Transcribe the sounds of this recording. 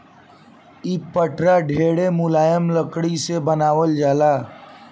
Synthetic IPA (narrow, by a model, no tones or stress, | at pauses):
iːpəʈʰɾaɖʱeːɽemʊlaːjəmləkɽisebənaːʋəld͡ʒaːlaː